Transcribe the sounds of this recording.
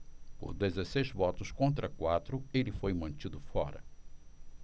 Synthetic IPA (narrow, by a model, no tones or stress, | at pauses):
pʊ̰ɾd̪ezesejzvɔt̪ʊskõnt̪ɾɐkwat̪ɾʊelɪfojmɐ̃nt͡ʃid̪ʊfɔɾɐ̰